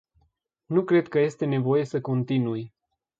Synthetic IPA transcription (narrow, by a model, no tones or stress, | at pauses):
nukɾe̞d̪kəje̞st̪e̞ne̞vo̞je̞səko̞nt̪inuj